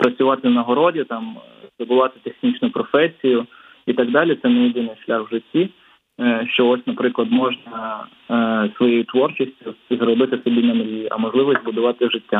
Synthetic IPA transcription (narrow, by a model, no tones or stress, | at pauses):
pɾɐt͡sʲʊʋɑt̪ɪnɐɦɔɾɔdʲit̪ɑmzd̪ɔbʊlˠɑt̪ɪ̥t̪exnʲit͡ʃnʊpɾɔfɛsʲijʊ | it̪ɑɡ̚d̪ɑlʲɪt̪sɛnɛjɪd̪ɪnɪjʃlʲaxwʒɪtʲːi | ʃt͡ʃɔɔsʲnɐpɾɪklˠɐd̪mɔʒnɐ | sʋɔjejʊt̪ʋɔrt͡ʃɪsʲtʲʊzrɔbɪt̪ɪsɔbʲinɐmɾʲiʔɐ̰mɔʒlˠɪʋɔzʲt̪ʲbʊd̪ʊʋɑt̪ɪʒɪtʲːa